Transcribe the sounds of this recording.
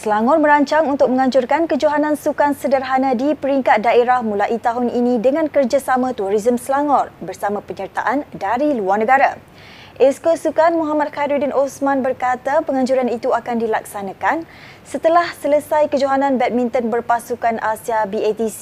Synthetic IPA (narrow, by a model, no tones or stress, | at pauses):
səlaŋɔrmə̃ɾaɲt͡ʃaŋunt̪ʊk̚məŋãɲd͡ʒʊrkankəd͡ʒoɦanãnsukansədərɦanãdipəɾiŋkat̪̚daʔeɾahmũlaʔit̪aɦʊninĩdəŋãnkərd͡ʒasamãt̪uɾizəmsəlaŋɔrbərsamãpəɲərt̪a̰ʔandaɾiluarnə̃ɡaɾa | ʔɛskosukanmũɦamat̪̚xaɾidinʔosmãnbərkat̪apəŋãɲd͡ʒuɾanit̪uakandilaksanãkan | sət̪əlahsələsajkəd͡ʒuɦanãnbɛt̪̚mĩnt̪ɔnbərpasukanʔasiabiet̪is